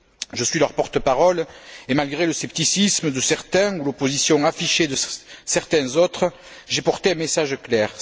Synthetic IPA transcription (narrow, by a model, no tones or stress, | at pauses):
ʒəsɥilœʁpɔʁt̪əpaʁɔlemalɡʁeləsɛp̚t̪isisməd̪əsɛʁt̪ɛ̃ulopozisjɔ̃afiʃed̪əsɛʁt̪ɛ̃zɔt̪χə | ʒepɔʁt̪eɛ̃mesaʒklɛʁ